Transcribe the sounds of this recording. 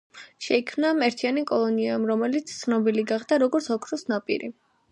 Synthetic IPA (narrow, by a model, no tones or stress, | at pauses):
ʃɛikʰmnamɛɾt̪ʰianikʼɔlˠɔniamɾɔmɛlit̪sʰt̪sʰnɔbiliɡaχd̪aɾɔɡɔɾt̪sʰɔkʰɾɔsnapʼḭɾi